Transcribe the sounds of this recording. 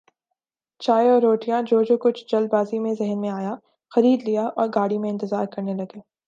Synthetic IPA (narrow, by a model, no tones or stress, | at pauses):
t͡ʃaːeɔːɾːoːʈijãd͡ʒoːd͡ʒoːkʊt͡ʃʰd͡ʒɐlbaːzimẽzɛɦənmẽaːja | xɐɾiːd̪lijaʔɔːɾɡaːɽimẽɪ̃nt̪ɪzaːɾkɐɾnelɐɡeː